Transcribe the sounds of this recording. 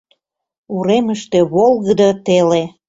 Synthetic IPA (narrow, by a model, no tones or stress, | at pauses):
uɾeməʃt̪eβolˠɣəd̪ət̪ele